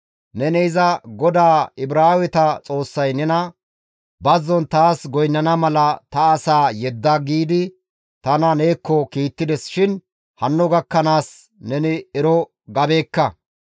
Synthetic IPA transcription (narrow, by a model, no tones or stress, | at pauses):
nɛnɛɪzɐɡɔd̪aːɪbɾaːwɛt̪ɐt͡sʼo̞ːsːɐjnɛnɐ | bɐzːɔnt̪aːsɡɔjnːɐnɐmɐlɐt̪ɐːsaːjɛd̪ːɐɡiːd̪ɪ | t̪ɐnɐneːkːɔkiːt̪ːɪd̪ɛsʃɪn | hɐnːɔɡɐkːɐnaːs | nɛnɪɛɾɔ | ɡɐbe̞ːkːɐ